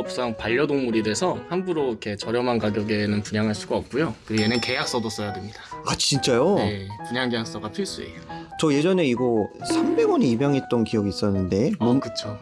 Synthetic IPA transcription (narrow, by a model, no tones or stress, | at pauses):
ʌp̚s͈aŋpaʎːʌdonmuɾidwe̞sʰʌhanbuɾoikʰe̞t͡ɕʌɾjʌmankaɡjʌɡe̞nɯnpuɲaŋɦaɭs͈uɡaʌp̚k͈ujokɯɾɡenɯnke̞jak̚s͈ʌdos͈ʌjademɲidḁat͡ɕt͡ɕint͡ɕ͈ajojepuɲaŋɡijaks͈ʌɡatʰiɭs͈uḭot͡ɕʌje̞d͡ʑʌne̞iɡʌssʰambe̞ɡwʌniibjaŋɦe̞t̚t͈ʌnkiʌɡiːs͈ʌnːɯnde̞mokɯt͡ɕʰo